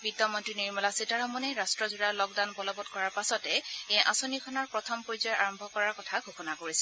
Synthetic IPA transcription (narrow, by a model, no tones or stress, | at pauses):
bidɔmɔntɹiniɹmɔlasitaɹxɔmɔnɛɹastɹɔzuɹalɔɡdanbɔlɔbɔtkɔɹaɹpasɔtɛejʔa̰sonikʰɔnɔɹpɹɔtʰɔmpojzɔjʔaɹɔmbʱɔkɔɹaɹkɔtʰaɡʱuxɔnakoɹisɛ̥